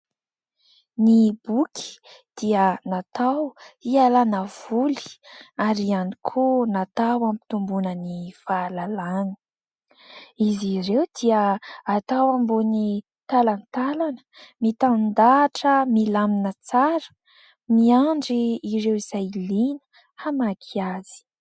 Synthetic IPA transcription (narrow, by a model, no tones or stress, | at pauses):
nibukʰʲi̥ | d̪̥iənat̪awialanəv̥uli̥aɾianikʰonat̪awampi̥t̪umbunənifaːlalani̥ | izirewd̪̥iəːt̪awambuni | t̪alanit̪alanə̥mit̪and̪aʈ͡ʂəmilaminət͡saɾə̥ | miaɳɖ͡ʐiːɾewizajlinə̥ | hamakʰiaz̥i̥